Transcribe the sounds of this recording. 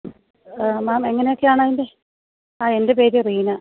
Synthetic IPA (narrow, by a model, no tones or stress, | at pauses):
maːme̞ŋːɐneokːejaːɳaːðinde | aːe̞nde̞peːɾiriːnɐ